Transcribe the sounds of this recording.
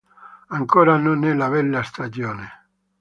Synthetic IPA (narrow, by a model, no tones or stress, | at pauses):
aŋkoːɾanonɛlaβɛlːast̪ad͡ʒjoːne